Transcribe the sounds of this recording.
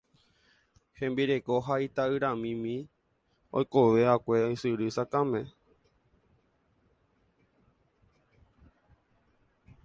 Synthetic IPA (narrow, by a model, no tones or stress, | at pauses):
hẽmbiɾekoɦait̪aɨɾãmĩmĩ | o̰jkoʋeakʷeojsɨɾɨsakãmẽ